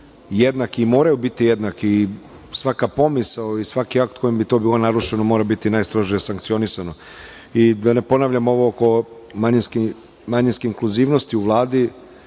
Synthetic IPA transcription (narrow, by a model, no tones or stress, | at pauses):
jed̪nakimo̞ːɾajubit̪ijed̪naki | sʋakapo̞misaoisʋakiak̚t̪̚kʰo̞jimbit̪o̞biːlˠo̞naɾuʃenomoɾabit̪inaːjst̪ɾoʒijesaŋk̚t̪sio̞nisano | id̪ane̞po̞naːʋʎamo̞ʋo̞oko̞ | maɲisk | maɲinskeiŋkluziːʋno̞st̪iuʋlˠaːd̪i